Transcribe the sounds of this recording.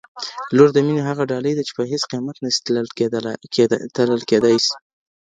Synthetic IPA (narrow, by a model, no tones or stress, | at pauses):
loɾd̪əmineɦaɣaɖɑləjd̪at͡ʃe̥pəɦesqimat̪nasi̥ | t̪aləlked̪ɑjsi̥